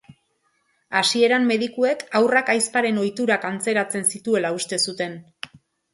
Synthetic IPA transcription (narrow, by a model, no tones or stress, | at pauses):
asie̞ɾamːe̞ðikue̞kawrakajspaɾe̞no̞jt̪uɾakant͡se̞ɾat͡se̞nsit̪ue̞laust̪e̞sut̪e̞n